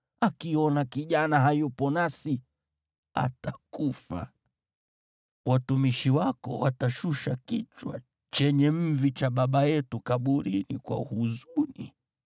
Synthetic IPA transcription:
akiɔnakiʄanaɦajupɔnasi | a̰takufa̰ | watumiʃiwakɔ̰wataʃuʃakit͡ʃwa̰ | t͡ʃɛɲɛm̩vit͡ʃaɓaɓajɛtukaɓuɾinikwa̰huzuni

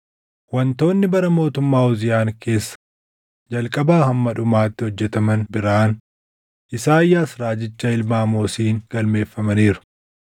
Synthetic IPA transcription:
wɐnt̪o̞ːnːɪbɐɾɐmo̞ːt̪ʊmːaːʊzɪjaːŋkʰe̞ːsːɐ̥ | d͡ʒɐlkʼɐbaːhɐmːɐᶑʊmaːt̪ːɪhɔd͡ʒːɛt̪ɐmɐnbɪɾaːn | ʔɪsaːɪjːaːsɾaːd͡ʒɪt͡ʃːɐɪlmaːmoːsiːŋɡ̥ɐlme̞ːfːɐmɐniːɾʊ̥

